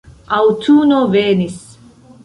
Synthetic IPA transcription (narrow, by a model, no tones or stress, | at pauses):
awtʰunovenis